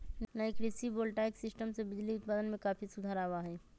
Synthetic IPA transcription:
laɪkɾisiboːlʈaɪksɪsʈəmsebɪd͡ʒliʊt̪̚paːd̪ənmẽkaːfʰisʊd̪ʱaːɾaːʋaɦɛː

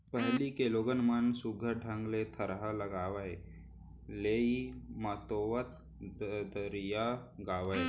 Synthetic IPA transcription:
pəɦlikeloːɡənmənsuɡʱəɖʱəŋɡlet̪ʰəɾɦaləɡaːʋaj | leimat̪oʋət̪ | d̪əɾijaɡaːʋəj

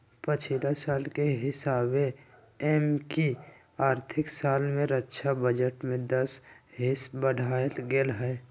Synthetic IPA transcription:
pət͡ʃʰilasaːlkeɦɪsaːbe | ɛmki | aːɾt̪ʰɪksaːlmẽɾətːʃʰabəd͡ʒəʈmẽd̪ɐəsɦɪsbəɽ̤ʱaːlɡelɦɛː

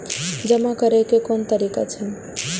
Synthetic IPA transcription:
d͡ʒəmakəɾekekont̪əɾika̰t͡ʃʰɛn

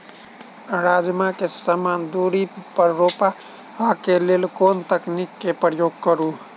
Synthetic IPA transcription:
ɾaːd͡ʒmakesamaːnd̪uːɾipəɾːoːpa | akeleːlkoːnt̪əknikːepɾəjoːɡkəɾu

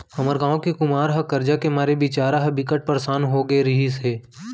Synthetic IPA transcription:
hɐməɾɡãːõkikʊmaːɾɦɐkɐɾd͡ʒakemaːɾebɪt͡ʃaːɾaɦɐbɪkəʈ̚pəɾsaːnɦoɡeɾɐɦiseː

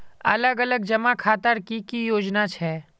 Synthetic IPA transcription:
ɐ̰ləɡələɡ̚d͡ʒɐmakʰaːt̪əɾkikijoːd͡ʒnat͡ʃʰɛː

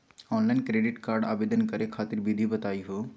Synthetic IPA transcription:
ɔnlaɪnkɾeɖɪʈkaɾɖa̰ːbed̪ənkəɾekʰaːt̪iɾbid̪ʱibət̪aːiɦo

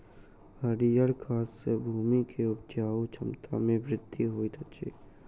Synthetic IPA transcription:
həɾijəɽkʰaːsːebʱuːmikʰeʊp̚t͡ʃaːot͡ʃʰəmt̪ʰa̰mẽʋɾɪd̪iɦoːit̪ʰət͡ʃʰḭː

